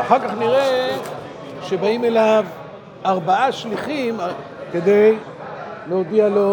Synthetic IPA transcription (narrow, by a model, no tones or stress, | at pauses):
aχaʁkaχniʁe | ʃe̞baime̞lav | aʁbaaʃliχim | ked̪e̞j | leod̪ialo